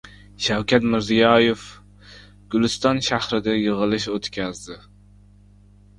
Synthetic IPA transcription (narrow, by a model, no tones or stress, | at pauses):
ʃæwkʲɛt̪mɪɾzijɑjef | ɡ̥ʲylˠɪst̪ɑnʃæhɾɪd̪ɛjəʁəlˠɨʃot̪kʲɛzd̪ɪ